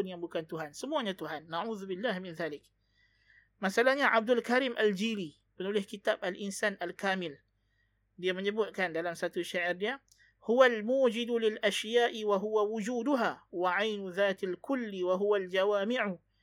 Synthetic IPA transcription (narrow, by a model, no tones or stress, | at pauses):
njamukant̪ʊɦaːnsʊmuanat̪ʊhanːaʕuːðbɪlːaːhmɪnðaːlɪk | masalanaʕab̚d̪alkaɾiːmʔald͡ʒiːli | bɪnulɪhkɪt̪aːbalʔɪnsaːnʔalkaːmɪl | dijaməɲəbʊʔkandalamsat̪uʃːaʕɪɾdija | hʊwalmuːd͡ʒɪd̪lɪlʔaʃjaːʔɪwaɦʊwawʊd͡ʒuːd̪ʊɦaːwaʕajnʊðaːt̪alkʊlːiwaɦʊwald͡ʒawaːmɪʕ